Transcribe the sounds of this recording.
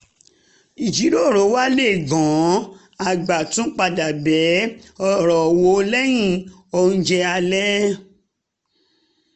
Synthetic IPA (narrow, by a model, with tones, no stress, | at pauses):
i˨d͡ʒi˨˦ɾo˦˨ɾo˨˦wa˦le˦˨ɡɔ̃˨˦ | a˨ɡ͡ba˨tũ˨˦k͡pa˧da˨bɛ˨˦ɔ˧˨ɾɔ˨wo˧o˧lɛ˦j̃ĩ˦˨ | ɔ˧nũ˦d͡ʒɛ˧a˧lɛ˦